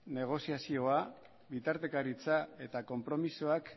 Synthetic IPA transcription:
ne̞ɣ̞o̞siasio̞a | βit̪aɾt̪e̞kaɾit͡sae̞t̪ako̞mpɾo̞misoak

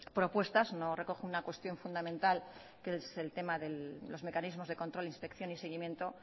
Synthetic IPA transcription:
pɾo̞pwe̞st̪azno̞re̞ko̞xunakwe̞st̪jo̞ɱfund̪amẽnt̪al | kese̞lt̪e̞maðe̞llo̞zme̞kanizmo̞zðekont̪ɾolinspe̞kθjo̞nise̞ɣ̞imje̞nt̪o̞

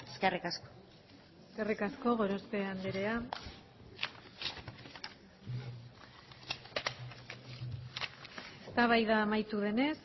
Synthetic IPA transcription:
eskerikasko̥ | eskerikasko̞ɣo̞ɾospe̞and̪eɾe̞a | est̪aβajðamajt̪uðe̞ne̞s

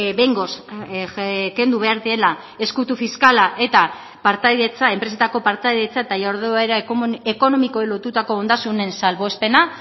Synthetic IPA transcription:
be̞jŋɡo̞s | ke̞nd̪uβe̞aɾðie̞la | e̞skut̪ufiskalaʔe̞t̪a | paɾt̪ajðet͡sae̞mpɾe̞se̞t̪ako̞paɾt̪ajðet͡saet̪ajaoɾðeaeɾaeko̞no̞mikoelo̞t̪ut̪ako̞ːnd̪asune̞nsalβo̞espe̞na

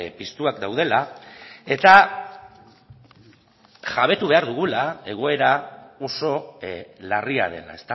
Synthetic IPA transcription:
pist̪uakd̪awð̞e̞lae̞t̪a | ʝaβ̞e̞t̪uβe̞aɾðuɣ̞ulae̞ɣ̞o̞e̞ɾao̞so̞laria̰ð̞e̞̰la̰e̞st̪a

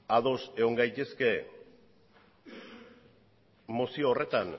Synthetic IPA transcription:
aðo̞se̞ɣo̞ŋɡajt̪e̞ske̞ | mosioːre̞t̪an

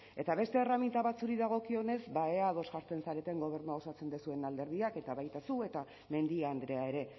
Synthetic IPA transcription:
e̞t̪aβe̞st̪e̞ːramint̪aβat͡suɾiðaɣ̞o̞kio̞ne̞zbaeaðo̞zʝaɾt͡s̪e̞nsaɾe̞t̪e̞ŋɡo̞β̞e̞ɾnuaosat͡se̞nd̪esue̞nald̪e̞ɾðiake̞t̪aβajt̪asue̞t̪a | me̞nd̪iand̪ɾe̞ae̞ɾe̞

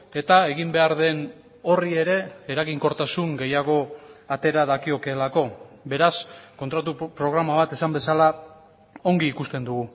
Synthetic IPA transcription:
e̞t̪ae̞ɣimbe̞aɾðe̞n | o̞rie̞ɾe̞ːɾaɣiŋko̞ɾt̪asuŋɡe̞jaɣ̞o̞at̪e̞ɾaðakio̞ke̞ːlako̞be̞ɾasko̞nt̪ɾat̪̬upɾo̞ɣ̞ɾamaβ̞at̪e̞sambe̞sala | o̞ŋɡiːkust̪e̞nd̪uɣu

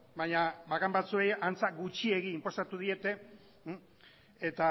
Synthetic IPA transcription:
baɲabakambat͡sue̞jant͡saɡut͡ʃie̞ɣiːmpo̞sat̪uð̞ie̞t̪e̞ | et̪a

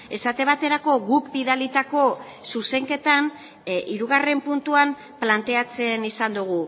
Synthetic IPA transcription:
e̞sat̪e̞β̞at̪e̞ɾako̞ɣukbiðalit̪ako̞ | suse̞ŋke̞t̪an | iɾuɣ̞are̞mpunt̪uam | plant̪e̞at͡se̞nisand̪uɣ̞u

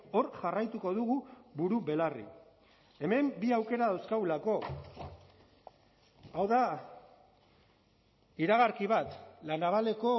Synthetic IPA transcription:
o̞ɾʝarajt̪uko̞ðuɣuβuɾuβe̞larḭ | e̞me̞mbiawke̞ɾaðawskawlako̞ | awða | iɾaɣaɾkiβ̞at̪lanaβ̞ale̞ko̞

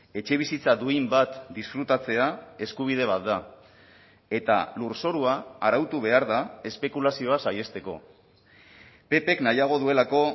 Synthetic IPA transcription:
e̞t͡ʃe̞β̞isit͡sad̪uimbat̪d̪isfɾut̪at͡se̞ae̞skuβ̞ið̞e̞β̞at̪̚d̪a | e̞t̪a̰luɾso̞ɾuaːɾawt̪uβ̞e̞aɾðae̞spe̞kulasio̞asaje̞st̪e̞ko̞̰ | pe̞pe̞knajaɣ̞o̞ðue̞lako̞

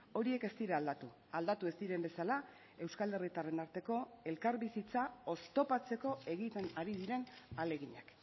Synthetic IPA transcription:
o̞ɾie̞ke̞st̪iɾeald̪at̪u | ald̪at̪ue̞st̪iɾe̞mbe̞sala | e̞wskale̞rit̪are̞naɾt̪e̞ko̞e̞lkaɾβisit͡sao̞st̪o̞pat͡se̞ko̞e̞ɣit̪e̞naɾið̞iɾe̞nale̞ɣ̞iɲak

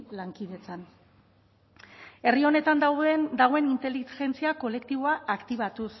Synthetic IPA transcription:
laŋkiðe̞t͡san | e̞rio̞ne̞t̪and̪awðend̪aɣoenint̪e̞lixe̞nt͡siako̞le̞kt̪iβ̞o̞aʔːkt̪iβat̪us

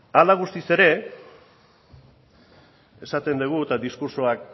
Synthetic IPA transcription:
alaɣ̞ust̪ise̞ɾe̞ | e̞sat̪e̞nd̪eɣ̞ut̪ad̪iskuɾso̞ak̚

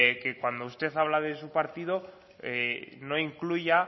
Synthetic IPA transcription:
kekwand̪oust̪e̞θaβ̞laðe̞supaɾt̪ið̞o̞ | eno̞iŋkluja

